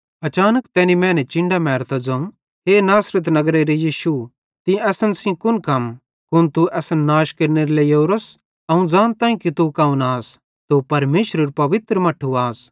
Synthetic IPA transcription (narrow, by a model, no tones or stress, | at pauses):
ɐt͡ʃaːnəkt̪ɛːnimɛ̃ːnɛt͡ʃɪ̃ɳɖamɛːɾt̪ad͡zɐ̃ũ | ɦeːnaːsɾɪt̪̬nɐɡɾeɾejiːʃu | t̪ĩɛːsənsĩkʊnkɐm | kʊnt̪uʔɛːsənːaːʃkeɾneɾleijoːɾɐs | ɐũd͡zãːnt̪ãːĩkit̪ukɐːũnaːs | t̪upɐɾmeːʃɾəɾpɐʋɪt̪ɾəmɐʈʰːuaːs